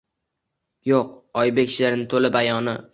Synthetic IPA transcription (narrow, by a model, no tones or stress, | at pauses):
joqɒjbekʲʰʃlaɾnɪt̪ʰolɪbajɒnɪ